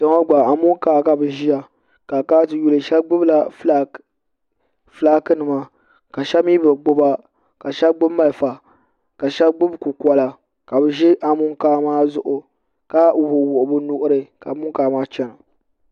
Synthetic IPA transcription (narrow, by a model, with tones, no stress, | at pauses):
ta˨˦ŋo˦ɡ͡ba˨a˨mʊ˦ŋkaː˦ka˨bɨ˨ʒi˦ja˨ | ka˨kaː˦tɨ˨ju˦lɨ˨ʃɛ˦ɡ͡bʊ˦bla˨˦ | flaː˦kɨ˦nɨ˨ma˦ | ka˨ʃɛ˦miː˦bɨ˨ɡ͡bʊ˦ba˦ | ka˨ʃɛ˦bɡ͡bʊ˦bma˨lfa˨ | ka˨ʃɛ˦bɡ͡bʊ˦bku˨kʷa˦la˨ | ka˨bɨ˨ʒi˦ʔa˨mʊ˦ŋkaː˦maː˦zʊ˦ʔʊ˨ | ka˦u˨bʊ˨wʊ˨ʔʊ˨bʊ˦nʊ˦ʔʊ˦ɾɨ˨ka˨mʊ˦ŋkaː˨˦maː˦t͡ʃɛ˦nʊ˨